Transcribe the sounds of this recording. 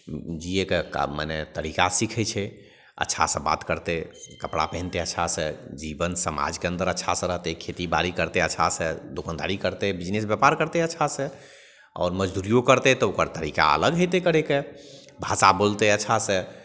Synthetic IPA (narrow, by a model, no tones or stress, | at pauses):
d͡ʒiekekmə̰net̪əɾikasikʰɛt͡ʃʰɛ | ə̰tːʃʰa̰sə̃ba̰t̪kəɾt̪ekəpɽa̰pɛɦnt̪eəːt͡ʃʰasə̃d͡ʒibənsəma̰d͡ʒkeə̃nd̪əɾətːʃʰasə̃ɾəɦt̪ɛkʰet̪ibaɾikəɾt̪eəːt͡ʃʰasə̃d̪okə̃nd̪a̰ɾikəɾt̪ɛbid͡ʒnesbjapaɾkəɾt̪eətːʃʰasə̃ | ɔ̰ːɾməd͡ʒd̪uɾijokəɾt̪ɛt̪ɔokəɾt̪əɾika̰ə̰ləɡɦət̪ekəɾeke | bʱasabolt̪ɛətːʃʰasə̃